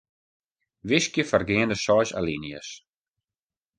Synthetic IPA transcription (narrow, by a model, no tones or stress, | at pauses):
ʋɪskjəfərɡɪəndəsɔjsa̰linjə̰s